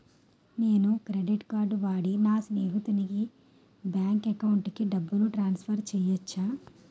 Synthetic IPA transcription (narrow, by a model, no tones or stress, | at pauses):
neːnukɾeɖiʈkaːɾɖʋaːɽinaːsineːɦut̪uniɡi | bjaːŋkekɐwuɳʈkiɖɐbːuluʈɾaːnspʰɐɾt͡ʃɛːjɐt͡ʃːaː